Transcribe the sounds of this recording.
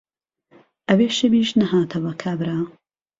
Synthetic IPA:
ʔɐbeːʃɪbiːʃnɐɦaːt̪ʰɐwɐkʰabɾaː

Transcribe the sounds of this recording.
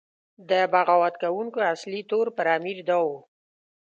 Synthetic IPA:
d̪əbaɣawad̪kawuŋkoaslit̪oɾpəɾamiɾd̪awo

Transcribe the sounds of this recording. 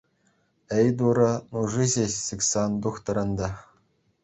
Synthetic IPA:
ɘjd̪uɾɤ̆nuʐiʑʲeɕsikʲsɑnd̪uχt̪ɤ̆ɾɤ̆nd̪ɑ

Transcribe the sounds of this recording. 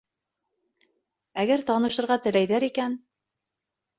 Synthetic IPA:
æɡæɾt̪ɑnɤ̆ʃɤ̆ɾʁɑt̪ɘ̆læjðæɾikæn

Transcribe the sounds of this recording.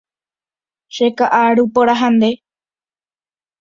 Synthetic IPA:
ʃekaʔaɾupoɾaɦãnd̪e̞

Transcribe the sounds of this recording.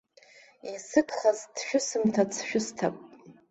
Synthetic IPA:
isɨkʰʼχazdʃᶣʊsɨmtʰat͡sʰʃᶣʊstʰa̰pʼ

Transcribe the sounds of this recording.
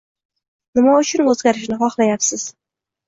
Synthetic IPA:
nɪmaʊt͡ʃʰʊnɵzɡʲaɾɪʃnɪχɒχlˠajapsɪz̥

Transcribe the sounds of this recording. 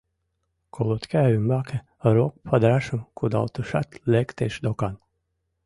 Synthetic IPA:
kʰɔlˠɔt̪kʲævʲimbake | aɾuɔk̚pʰad̪ɾaʃumkʰud̪a̰lt̪uʃa̰t̪lʲɛkt̪eʃd̪ɔkan

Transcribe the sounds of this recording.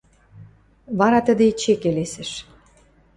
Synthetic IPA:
βɑɾɑt̪əd̪et͡ɕekelesɘ̆ʃ

